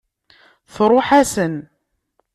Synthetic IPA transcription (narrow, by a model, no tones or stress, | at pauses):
θɾˤʊħæsən